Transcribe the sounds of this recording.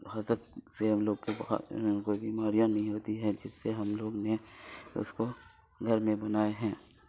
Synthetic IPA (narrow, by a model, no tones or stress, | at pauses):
ɦazək̪̚seɦɐmloːɡkeb̰koːibiːmaːɾijãnɐɦĩɦoːt̪iɦɛ̃d͡ʒɪsːeɦɐmloːɡneʊ̰sko | ɡʱɐɾmẽbɐnaːeɦɛ̃ː